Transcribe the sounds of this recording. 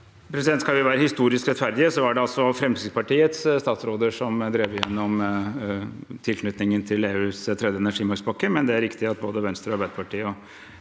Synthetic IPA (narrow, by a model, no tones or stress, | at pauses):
pʰɾɛsɪd̪ɛnt̪skɑlʋɪʋæːɾəhɪst̪uːɾɪskɾɛt̪fæɾd̪ɪəsɔæɖɛɑlsɔfɾɛmsɪɡ̪pɑʈiːət̪sst̪ɑːt̪sɾoːd̪əʂɔmd̪ɾeːʋəɾɪjɛnːɔm | t̪ʰɪlkʰnʉt̪nɪŋənt̪ʰɪleːʉːst̪ʰɾɛd̪jəɛnæʂiːmɑɾksbɑkːəmɛnd̪ɛæɾɪkt̪ɪɑt̪̚boːd̪əʋɛnst̪ɾɔɑɾbæɪd̪əpʰɑʈʰiːəɔ